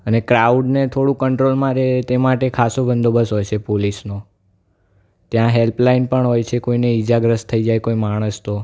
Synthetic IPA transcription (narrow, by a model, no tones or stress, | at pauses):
ənekɾauɖnet̪ʰoɽũkəɳʈɾolmãɾet̪emaʈekʰasobənd̪obəsɦojt͡ʃʰepolisno | t̪jãɦelplainpəɳɦojt͡ʃʰekoineid͡ʒaɡɾəst̪ʰəid͡ʒajkoimaɽ̃əst̪o